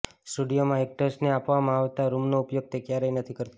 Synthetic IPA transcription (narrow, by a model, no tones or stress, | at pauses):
sʈuɖijomãek̚ʈəsʈneapʋamãaʋt̪aɾumnoupjoɡ̚t̪ʰekjaɾəjnət̪ʰikəɾt̪a